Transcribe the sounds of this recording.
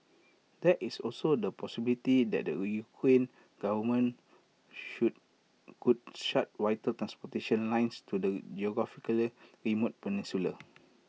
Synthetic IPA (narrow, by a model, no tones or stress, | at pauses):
dɛtisɔlsodəpɔsibilitidɛ̰t̚də̰jukʰɹẽn | ɡ̥avəmə̃n | u | kud̚ʃat̚wajtət̪ɾãnspɔteʃə̃nlãj̃nstudəd͡ʒioɡɹafikəlɹimot̚pənĩnsulə